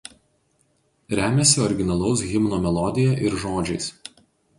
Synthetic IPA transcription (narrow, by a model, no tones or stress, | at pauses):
ɾʲæːmʲɛsʲɪɔɾʲɡʲɪnɐlˠɐʊs̬ɣʲɪmnoːmʲɛlˠɔd̪ʲɪjɛʔɪɾʒoːd͡ʒʲɛɪs